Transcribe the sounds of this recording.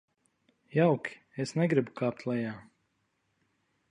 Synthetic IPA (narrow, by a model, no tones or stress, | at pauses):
jawkʲi̥ | esnɛɡɾibukaːp̚t̪lˠɛjaː